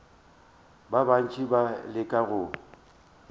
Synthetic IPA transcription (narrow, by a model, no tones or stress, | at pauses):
baban̩t͡ʃʼibalɪkʼaɣʊ